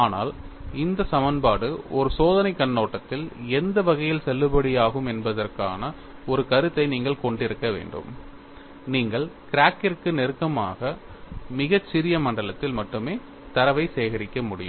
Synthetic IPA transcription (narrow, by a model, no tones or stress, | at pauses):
aːna̰ːlɪnd̪ɐsɐmɐnbaːɽɯɔɾɯsoːðɐnɐɪkːɐɳːoːʈːɐt̪ːɪlɛnd̪ɐʋɐɣɐjɪlsɛlːɯbɐɽɪjaːɣɯmɛnbɐðɐrka̰ːnɐ | ɔɾɯkɐɾɯt̪ːɐɪniːŋɡɐɭkɔɳɖɪɾɯkːɐʋḛːɳɖɯ̰m | niːŋɡɐɭkɪɾaːkɪrkːɯnɛɾɯkːɐmaːɣɐ | mɪɣɐt͡ʃːɪɾɪjɐmɐɳɖɐɭɐt̪ːɪlmɐʈːɯmeː | t̪ɐɾɐʋɐɪsejɣɐɾɪkːɐmʊɽɪ̰jɯm